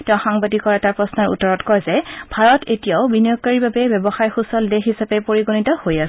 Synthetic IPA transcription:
tɛʊ̃xaŋbadikɔɹaɛtapɹɔsnɔɹṵtːɔɹɔtkɔjzɛbʱaɹɔtetijaʊbinijɔk̚kaɹiɹbabɛbjɛbɔxajxusɔldexisapɛpoɹiɡonitɔhojasɛ

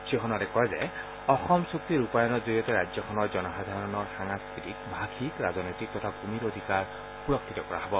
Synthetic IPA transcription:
sexʰɔnatɛkɔjzɛ | ɔxɔmsuk̚t̪iɹupajɔnɔtzoɹijɔtɛɹazɔxʰɔnɔɹzɔnɔxad̪ʱaɹɔnɔɹxaŋaskɹitikbʱakʰikɹazɔnojtik̚tɔtʰakumiɾod̪ʱikaɹ | puɹɔkʰːitɔkɔɹa̰ɦɔbɔ

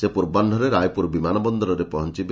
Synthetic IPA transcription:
sepuɾbanɖʱɔɾeɾajpuɾbimanɔbɔnd̪ɔlɾɔɾepɔɦɔnt͡ʃib

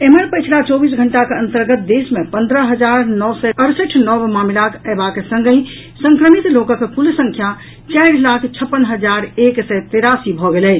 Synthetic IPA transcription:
eməɾpət͡ʃʰlat͡ʃɔbisɡʱəɳʈakeə̃nt̪əɾɡət̪̚d̪esmepə̃nd̪ɾəɦəd͡ʒaɾnɔʋsɛəɾsəʈʰnɔbmamilakəbakesə̃ŋɡəi | səŋkɾəmit̪lokəkkulsə̃ŋkʰja | t͡ʃajɽlakʰt͡ʃʰəpːənɦəd͡ʒaɾeksɛt̪eɾasibʱɔɡelɛ

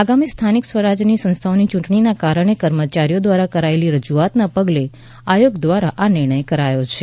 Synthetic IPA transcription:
aɡamist̪ʰaniksʋəɾad͡ʒnisə̃nst̪ʰaonit͡ʃũʈɳ̃inakaɾəɽ̃ekəɾmət͡ʃaɾijod̪ʋaɾakəɾaeliɾəd͡ʒuat̪napəɡle | ajoɡd̪ʋaɾaʔanɪɾɳ̃əjkəɾajot͡ʃʰe

